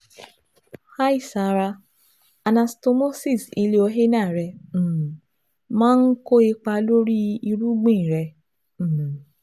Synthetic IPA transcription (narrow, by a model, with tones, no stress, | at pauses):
ha˦i˦˨sa˨ɾa˧ | a˧nã˧sto˧mo˦si˦˨si˧le˧o˧ɦe˦nãː˦˨ɾɛ̃˧˨ | mãː˦n̩˦ko˦e˧k͡pa˧lo˦ɾi˦i˧ɾu˦ɡ͡bĩ˦˨ɾɛ˧˨